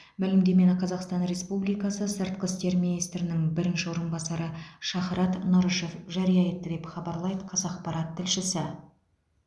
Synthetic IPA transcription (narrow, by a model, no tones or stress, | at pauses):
mælɪmd̪e̞me̞nqʰɑzɑqst̪ɑnɾe̞spublijkɑsəsɪɾt̪qʲɪst̪e̞ɾminijst̪ɾɪnɪŋbɪɾɪnʃɪwo̞ɾənbɑsɑɾəʃɑχɾɑt̪nɑɾəʃe̞fʒɑɾijɑjet̪ːəd̪e̞pχɑbɑɾlˠɑjd̪əqʰɑzɑq̚pɑɾɑt̪ʰːɪlʃɪsɪ